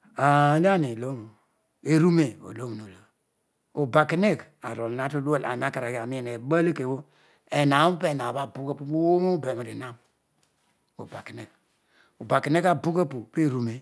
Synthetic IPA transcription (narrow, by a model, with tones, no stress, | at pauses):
a˨˦la˦ni˨lo˦m˨ | e˨ɾu˦me˨o̰˨lo˦m˨no˨lo˨ | o˨ba˨ki˨˦ne˦k | a˨ɾo˨lna˦tu˦lu˦a˦la̰˨na˦ka˨ɾa˨ɡa˨mi˦˨ne˨ɓa˦le˦ke˨wo˦ | e˨na˨˦pe˦˨na˨ba˦˨bu˦ka˦pu˦bo˦wo˦m˦be˨m˨ɾi˨na˦m | o̰˨ba˨ki˨ne˨k | o˨ba˨ki˨ne˦ka˨bu˦ka˦pu˨pe˦˨ɾu˨me˨